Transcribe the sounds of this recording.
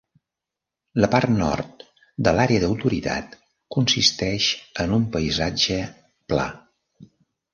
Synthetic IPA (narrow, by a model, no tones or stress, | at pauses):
ləpart̪nɔ̰rt̪ | d̪əlaɾeəðəwt̪uɾit̪ʰa̰t̪ | kunsist̪ɛʃənumpəizad͡ʒə | pla̰